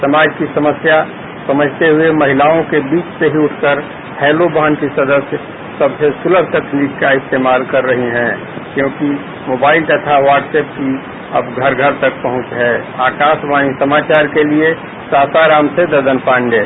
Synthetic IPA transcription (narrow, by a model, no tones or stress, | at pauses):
sɐmaːd͡ʒkisɐməsja | sɐməd͡ʒʱt̪eɦʊemɐɦɪlaːõkebiːt͡ʃseɦiʊʈʰkəɾ | hɛːlobaːnkisɐd̪əsj | sɐbsesʊləbʱt̪ɐkʰniːkːaɪst̪eːmaːlkɐɾːəɦiɦɛ̃ː | kjõːki | moːbaːɪlt̪ət̪ʰaʋaːɾʈsɛːp̚ki | ɐbɡʱɐɾɡʱəɾt̪ək̚pɐɦʊ̃t͡ʃɦɛːaːkaːʃbaːnisɐmaːt͡ʃaːɾkelie | saːsaɾaːmsed̪ɐd̪ənpʰãːɳɖeː